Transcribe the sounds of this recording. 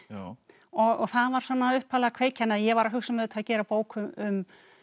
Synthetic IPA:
ɔɣɔθaðvaɾ̥sɔːnːaʏhphaːlɣakʰv̥eːjcʰɛnːajɛɣvaɾaɦʏsʏmɛðʏt̪ʰacɛːɾapoːwkʰʏmʏm

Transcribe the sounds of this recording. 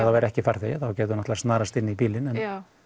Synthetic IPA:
θawvɛɾɛhcɪfaɾ̥θɪθawcɛːt̪̬ʏɾnɔht̪asnaːɾast̪ɪnːɪipiːlɪnɛn

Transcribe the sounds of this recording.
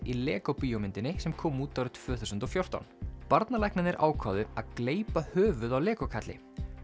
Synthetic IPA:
ilɛːkowpiːjɔmɪnt̪ɪnɪsɛmkʰɔːmuːt̪ːawɾɪt̪ʰv̥œːθuwsʏnt̪ɔfjowr̥t̪a̰wnpaɾt̪nalajhknɪnɛɾʔa̰ːwkʰaːðʏaðkleːjpahœːvʏðawlɛːkɔkʰat̪lɪ̰

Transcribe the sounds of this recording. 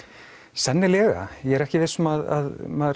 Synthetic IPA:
sɛnːɪlɛːɣa̰jɛɛɾɛhcɪvɪsɔmaða̰ðmað

